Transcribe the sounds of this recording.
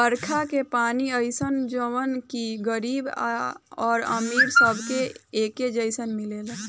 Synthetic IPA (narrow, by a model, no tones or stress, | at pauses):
pəɾkʰakepaːniəɪsənd͡ʒəʋənkiɡəɾiːba̰ɔːɾə̰miːɾsəbʱkeeːked͡ʒəɪsənmileːl